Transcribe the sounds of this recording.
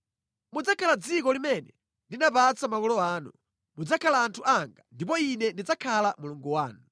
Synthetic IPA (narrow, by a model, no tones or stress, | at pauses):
mud͡zakʰalad͡zikɔlimɛnɛ | ndinapat͡samakɔlɔaːnṵ | mud͡zakʰalaːntʰuʔaŋɡandip̬ɔinɛndid͡zakʰalamuluŋɡuwaːnu